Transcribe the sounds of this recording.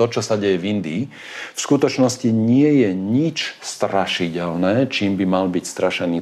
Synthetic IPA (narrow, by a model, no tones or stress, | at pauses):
ɔt͡ʃɔsaɟɛjɛvind̪iː | fskut̪ɔt͡ʃnɔsciɲɪɛjɛɲit͡ʃst̪ɾaʃicɛlnɛːt͡ʃiːmbimalbicst̪ɾaʃɛniː